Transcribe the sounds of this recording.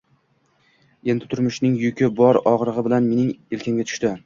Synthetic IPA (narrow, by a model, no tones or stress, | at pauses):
e̞nd̪ɪt̪ʰʊɾmʊʃnɪŋjʊkʲɪbɒɾɒʁɾɨʁɨbɪlanme̞nɪŋelkʲʰaŋɡʲat̪ʰʊ̥ʃt̪ɪ